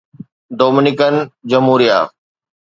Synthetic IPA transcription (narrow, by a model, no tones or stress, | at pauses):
d̪oːmɪnɪkənd͡ʑɐmɦuːɾija̰ː